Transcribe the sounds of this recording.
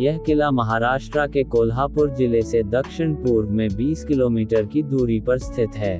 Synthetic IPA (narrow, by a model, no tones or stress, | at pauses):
jɐɦkɪlamɐɦaːɾaːʃʈɾakekoːlɦaːpʊɾd͡ʒɪlesed̪ɐkʃɪɳ̃puːɾʋmẽbiːskɪloːmiːʈəɾkid̪uːɾipɐɾst̪ʰɪt̪ɦɛː